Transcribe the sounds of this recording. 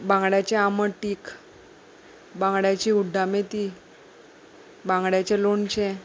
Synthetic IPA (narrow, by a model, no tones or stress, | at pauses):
bãŋɡɽjat͡ɕeaməʈːiːk | bãŋɡɽjat͡ɕiːuɖʱːamet̪iː | bãŋɡɽjat͡ɕelont͡ɕẽ